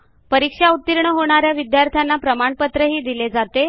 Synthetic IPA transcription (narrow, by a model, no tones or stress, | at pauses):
pəɾikʂaut̪ːiɾɳəɦoɽ̃aɾjaʋid̪jaɾt̪ʰjanːapɾəmaɳpət̪ɾəɦiːd̪iled͡zat̪e